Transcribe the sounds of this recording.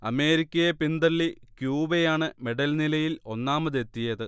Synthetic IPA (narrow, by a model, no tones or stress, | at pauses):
ɐme̞ːɾikʲːɐjepind̪ɐlːikjuːbejaːɳɨme̞ɖɐlnilɐjilo̞nːaːmɐðe̞t̪ːijɐðɨ